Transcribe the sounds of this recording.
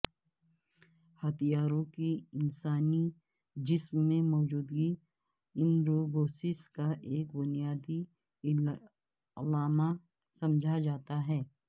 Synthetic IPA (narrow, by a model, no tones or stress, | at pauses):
hɐt̪ijaːɾõkiɪnsaːni | d͡ʒɪsmːẽmɔːd͡ʒuːd̪ɡi | ɪ̃nd̪ɾoɡoːsɪskaʔeːkbʊnijaːd̪i | ɐlaːma | sɐ̃md͡ʒʱad͡ʒaːt̪aɦɛː